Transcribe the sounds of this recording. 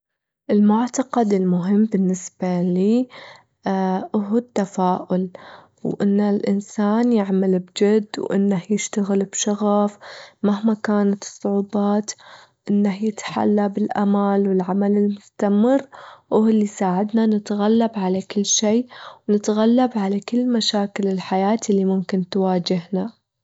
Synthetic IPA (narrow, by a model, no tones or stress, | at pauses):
ʔɪlmʊʕt̪ɑqad̪ɪlmʊɦɪmːbɪnːɪsbaliː | ʔʊɦt̪ːafaːʔʊl | wʔɪnːalʔɪ̰nsaːnjɪʕmalbd͡ʒɪd̪ːwʔɪ̰nːahjɪʃt̪aɣɪlbʃaɣafmahmakaːnat̪ɨ̥sˤːʊʕuːbɑːt̪ | ʔɪnːahjɪt̪ħa̰lːabɪlʔa̰malwɪlʕamalɪlmʊst̪amɪrːʔʊɪlːisaːʕɪd̪nanɪt̪ɣalːabʕalakɪlːʃiːwnɪt̪ɣalːabʕalakɪlːmaʃaːkɪlɪlħajaːt̪lːimʊmkɪnt̪waːd͡ʒɪɦna